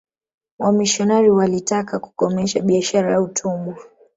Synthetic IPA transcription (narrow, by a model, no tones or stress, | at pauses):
wamiʃɔnaɾiwalitakaku̥kɔmɛʃaɓiaʃaɾajautʰumbu